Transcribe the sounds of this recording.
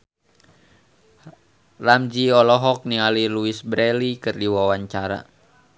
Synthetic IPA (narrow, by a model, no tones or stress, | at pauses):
ramd͡ʒiɔlɔɦɔk̚nialiluisbɾɛlikɨrdiwawaɲt͡ʃaɾa̰